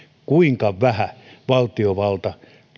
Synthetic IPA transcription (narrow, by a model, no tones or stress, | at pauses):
kuiŋkɑʋæhæʋɑlt̪ioʋɑlt̪ɑ